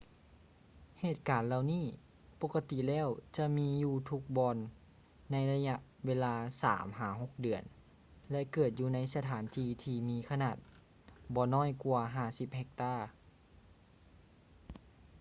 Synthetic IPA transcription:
heː˨˩t̪̚kaː˨˦nla˧wniː˥˩˨ | po˧˥ka˧t̪i˧˨lɛː˧˥˨wt͡ɕa˧miː˧˥juː˧˩t̪ʰu˧˥k̚bɔː˧nː | a˧˥jla˧ɲa˧ʔweː˧˥laː˧sa̰ː˨˩˦mɦaː˨˩˦ɦo˧˥˦k̚dɯ˨˩ən | lɛ˧ʔkɤː˨˩t̪̚juː˧na˧˥jsa˧t̪ʰaː˨˦nt̪ʰiː˧t̪ʰiː˧miː˧kʰa˧naː˨˩t̪̚ | bɔː˧nɔː˥˩˨jku˧ɐɦaː˧˩si˧p̚hɛ˧k̚t̪aː˧˥˩

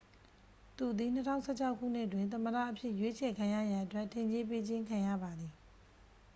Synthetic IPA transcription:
t̪u˨d̪i˨n̥ətʰã˦ʊ̃sɛ˦˨t͡ɕʰa˦ʊkʰːṵ˦˨n̥ɪ˦ʔət̬wɪ̃˨nt̪ə̃˨mədä̰˦˨ʔəpʰjɪ˦ʔjwe˦t͡ɕʰɛ˨kʰã˨ja˦˨ja˨ʔətwɛ˦ʔtʰːẽ˨ɲd͡ʑe˦pe˦d͡ʑɪ̃˦ŋkʰã˨jä̰˦˨ba˨d̪i˨

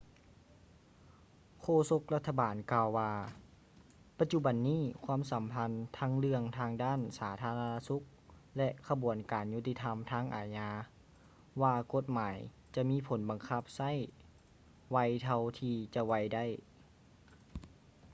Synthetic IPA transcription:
kʰoː˧so˧˥k̚la˧t̪ʰːa˧baː˨˩nkaː˧wːaː˧ | pa˧t̪̚t͡ɕu˧˥ba˨˩nːiː˥˩kʰwaː˧˥˨msa˨˩˦mpʰa˧˥nt̪ʰaː˧˥ŋlɯ˧əŋt̪ʰaː˧ŋdaː˥˨nsaː˩˦t̪ʰaː˧˥la˧naː˧su˧˦k̚lɛ˧ʔkʰa˧bu˨˩ənkaː˨˩nju˧˩t̪i˧t̪ʰa˧mt̪ʰaː˧˥˨ŋʔa̰ː˨˩ɲaː˧ | waː˧ko˧˥t̪̚maː˨˦j | t͡ɕa˧ʔmiː˧˥˨pʰo˩˦nba˨˩ŋkʰa˧˩p̚sa˧˥˨j | wa˧jt̪ʰa˧wt̪ʰiː˧t͡ɕa˧wa˧˩jda˥˨j

